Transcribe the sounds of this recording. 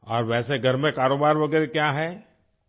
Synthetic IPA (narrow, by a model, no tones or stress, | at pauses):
ɔːɾʋɛːseɡʱɐɾmẽkaːɾoːbaːɾʋɐɡɛːɾekjaɦɛː